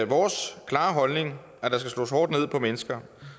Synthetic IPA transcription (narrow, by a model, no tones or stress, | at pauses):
ʋɒːskʰlɑ̈ːɦɒ̽lne̝ŋ | æd̥ɑ̈sɡ̥æslɔ̰ːshɒːd̥ne̝ð̞̰ˠpʰɒ̽menəsɡ̥ɐ